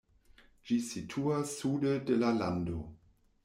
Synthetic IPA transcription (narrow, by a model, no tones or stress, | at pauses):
d͡ʒisitʰuasːudedelala̰ndo